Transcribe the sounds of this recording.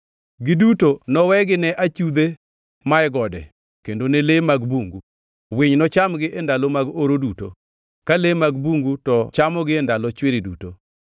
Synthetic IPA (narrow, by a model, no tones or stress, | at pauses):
ɡɪdutonɔwɛɡɪnɛʔat͡ʃud̪e | maɛɡɔdɛ̰ | kendonelemaɡbuŋɡu | wɪɲnɔt͡ʃamɡɪʔendalɔmaɡoɾoduto̰ | kalemaɡbuŋɡutɔt͡ʃamɔɡɪendalɔt͡ʃwɪɾiduto